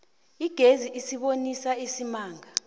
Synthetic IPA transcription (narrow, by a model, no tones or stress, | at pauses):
iɡ̥ʱeziʔisiɓonisaisimaːŋa